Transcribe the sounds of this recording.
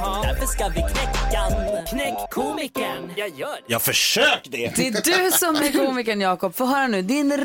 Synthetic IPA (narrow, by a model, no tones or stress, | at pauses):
ɪk̪ʰkːakʰnɛkkʰuːɪkənjɑːɡfœʂøːkd̪ɛd̪ɛɖ̪ɵsɔmɛɾkʰuːmɪk̬ənjɑːkɔpfoːɦœːɾanʉ̟ːd̪ɪnɾ